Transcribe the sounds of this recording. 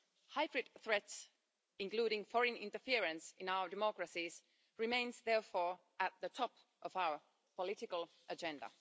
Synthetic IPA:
haɪbɹɪd̪̚θɹɛts | ɪ̃nkl̥uːɾɪ̃ŋfɔɹɨ̃nɪ̰̃ntəfiɹɨ̃nsɪ̃naʊə˞dɛmɔkɹəsiz | ɹɪmẽɪ̃nzðɛɹfɔːɹ | ʔət̪̚ðətʰɔp | ʔɔvaʊə˞ | pəlɪtɪkəlˠ | ʔəd͡ʒɛ̃ndə̰

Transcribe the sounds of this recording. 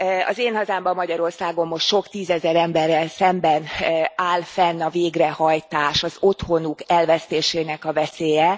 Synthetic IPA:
ɒ̰zeːnhɒzaːmbɒmːɒɟɒɾo̞rsaːɡo̞mːo̞ʃt̪ʃo̞kt̪iːzɛzɛɾɛmbɛrːɛlsɛmbɛnaːlfɛnːɒveːɡrɛhɒjt̪aːʃɒzo̞t̪ho̞nukɛlvɛst̪eːʃeːnɛkɒvɛseːjɛ

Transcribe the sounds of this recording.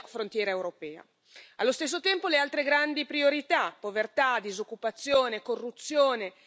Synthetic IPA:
fɾont̪jɛːɾaewɾopɛːa̰ | alːost̪es̬ːot̪ɛmpolealt̪ɾeɡɾand̪ipɾioɾit̪apːovert̪ad̪izokːupat̪sːjoːnekorːut̪sːjoːne

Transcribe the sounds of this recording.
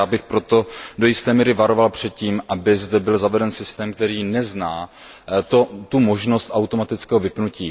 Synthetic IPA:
aːbɪxpɾo̞t̪o̞dojɪst̪ɛːmiːɾɪvaɾo̞valpr̥ɛt̪̚ciːmʔabɪzdɛbɪlzavɛdɛnsɪst̪ɛːmk̚t̪ɛɾiːnɛznaːt̪ot̪umoʒno̞st̪ʔawt̪o̞mat̪ɪt͡skɛːɦovɪpnuciː

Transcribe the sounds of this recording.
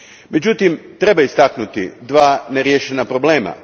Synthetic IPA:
me̞d͡ʑut̪imt̪ɾe̞baist̪aknut̪ḭd̪ʋaːneɾjeʃenapɾo̞ble̞ːma̰

